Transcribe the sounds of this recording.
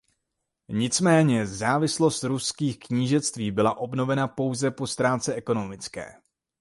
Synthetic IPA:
ɲɪt͡smɛːɲɛzaːvɪslo̞st̪ɾuskiːxkɲiːʒɛt͡st̪viːbɪlaʔo̞bno̞vɛnapo̞wzɛpo̞st̪ɾaːt͡sɛʔɛko̞no̞mɪt͡skɛ̰ː

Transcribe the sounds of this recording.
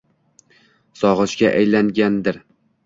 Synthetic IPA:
sɒʁɨʃɡʲaʔajlaŋɡʲand̪ɪɾ

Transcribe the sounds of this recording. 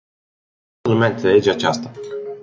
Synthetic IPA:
numeant̪ele̞d͡ʒeat͡ʃast̪a

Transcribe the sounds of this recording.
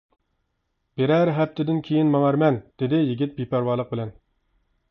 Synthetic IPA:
b̥eɾæɾɦɛp̚t̪ʰɪd̪ɪnkʲʰejinmɑŋæɾmɛnd̪̥ɪd̪ɪjiɡʲit̪̚bipʰæɾwɑːlˠəq̚bɪlɛn

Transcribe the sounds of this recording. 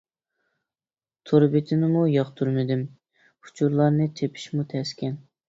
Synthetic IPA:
t̪ʰoɾbɪt̪ʰɪnɪmujɑχt̪ʰuɾmɪd̪ɪm | u̥t͡ʃʰuɾlˠɑɾnɨt̪ʰepʰi̥ʃmut̪ʰɛskʲʰɛn

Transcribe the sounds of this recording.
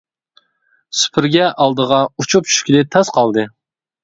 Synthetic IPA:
sy̥pʰɪɾɡʲɛʔɑlˠd̪əʁɑut͡ʃʰup̚t͡ʃʰy̥ʃkʲilɪt̪ʰɑsqɑlˠd̪ɨ

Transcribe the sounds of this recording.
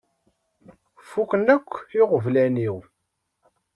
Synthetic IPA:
fukənækʷːiʁəvlæniw

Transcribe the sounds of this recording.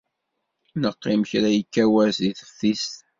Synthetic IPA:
nəqːɪmçɾæjəkːæwæziθə̥fθist̪

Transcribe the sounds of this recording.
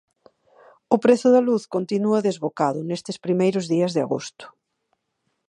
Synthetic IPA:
ʊpɾeθʊðɐluθkont̪inuɐðezβokaðʊnest̪ɪspɾimejɾʊzðiɐzðɪa̰ɣo̰st̪ʊ̥

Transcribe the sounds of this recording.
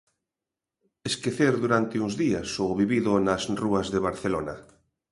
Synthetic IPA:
eskeθeɾðuɾant̪ɪũzðiɐsoβiβiðʊnɐsruɐzðeβaɾθelonɐ

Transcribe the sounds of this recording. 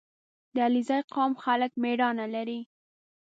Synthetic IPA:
d̪əalizajqɑmxalək̚meɽɑnalaɾi

